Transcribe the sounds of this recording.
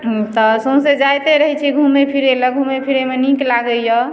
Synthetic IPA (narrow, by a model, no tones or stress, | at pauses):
t̪ɔsõsed͡ʒajt̪eɾəɦɛt͡ʃʰiɡʱumepʰiɾeləɡʱumepʰiɾemenĩklaɡəjɔ